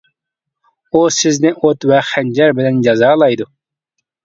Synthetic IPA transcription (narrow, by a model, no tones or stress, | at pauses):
usɪznɪʔot̪wɛχænd͡ʒɛɾbɪlɛnd͡ʒɑzɑːlˠɑjd̪u